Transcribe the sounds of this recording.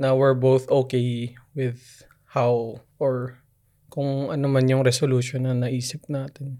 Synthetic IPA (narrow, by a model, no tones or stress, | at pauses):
nɐwɛɹbowθʔokejwɪð | hawʔɔɹ | kʊŋʔɐnomɐnjʊŋɾɛsoluʃonːɐnɐʔiːsɪp̚naːt̪ɛn